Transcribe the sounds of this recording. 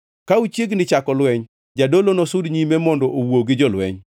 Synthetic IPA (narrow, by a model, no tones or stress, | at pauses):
kaut͡ʃjeɡnɪt͡ʃakɔlwɛɲ | d͡ʒadolonɔsʊdɲimemɔndɔʔowoɡɪd͡ʒɔlwɛ̰ɲ